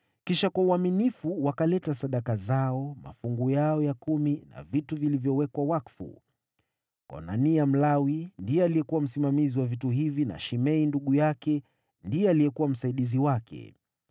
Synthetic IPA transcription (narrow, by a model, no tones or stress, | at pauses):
kiʃakwauaminifuwakalɛtasaɗakazaɔma̰fuŋɡujaɔjakumina̰vituvilivjɔwɛkwawakfṵ | ka̰na̰niam̩lawindiɛalijɛkuwam̩simamiziwavituɦivina̰ʃimɛinduɠujakɛ | ndiɛalijɛkuwam̩saiɗiziwakʰɛ̰